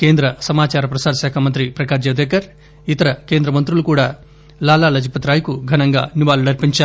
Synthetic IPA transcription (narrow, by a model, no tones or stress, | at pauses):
keːnd̪ɾɐsɐmaːt͡ʃaːɾɐpɾɐsaːɾɐʃaːkʰamɐnt̪ɾipɾɐkaːd͡ʒɐʋd̪eːkɐɾ | it̪ɐɾɐkeːnd̪ɾɐmɐnt̪ɾulukuːɽaː | laːlaːlɐd͡ʒipɐt̪ɾaːjkuɡʱɐnɐŋɡa̰ːnibaːlunɐɾpiɲt͡ʃa